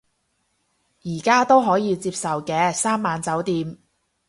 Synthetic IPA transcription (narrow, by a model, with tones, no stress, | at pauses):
jiː˨˩kaː˥t̪o˥wɦɔː˨˥jiː˨˧t͡siː˧p̚sɐ˨wkɛː˧saː˥mːaː˨nt͡sɐ˨˥wt̪iː˨˧m